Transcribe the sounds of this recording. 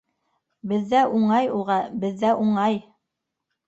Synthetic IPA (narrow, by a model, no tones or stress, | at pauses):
bɘ̆ðːæʔuɴɑjulˠʁɑbɘ̆ðːæʔuɴɑj